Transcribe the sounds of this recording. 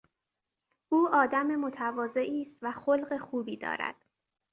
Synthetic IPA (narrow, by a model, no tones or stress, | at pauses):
ʔuːɒːd̪æme̞mo̞t̪ʰævɒːze̞ʔiːst̪væxolɢexuːbiːd̪ɒ̰ːɾæ̰d̪̥